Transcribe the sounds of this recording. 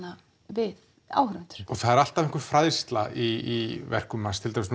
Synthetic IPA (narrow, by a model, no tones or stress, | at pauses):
a | vɪð | a̰ːwhɾʏɪnt̪ʏ̥ɾ̥ɔɣθaðɛɾal̥t̪aveŋkʏɾ̥fɾaːðst̪laiːvɛ̰r̥kʏmnanst̪ʰɪlt̪amɪsn